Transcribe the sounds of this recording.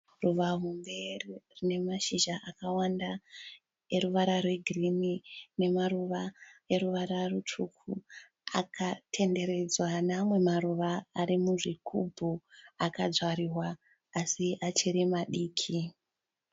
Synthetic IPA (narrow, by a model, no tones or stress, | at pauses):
ruʋaɦumbe̞rrine̞maʃiʒaʔakawanda | e̞ɾuʋaɾarwe̞ɡʱirinine̞maruʋaeɾuʋaɾarutʰukʰu | akʰatʰe̞nde̞ɾe̞d͡zwanamwe̞maɾuʋaːɾimuʐikʰubʱuakad͡zwaɾirwaː | siʔat͡ʃeɾimaɗiːkʰi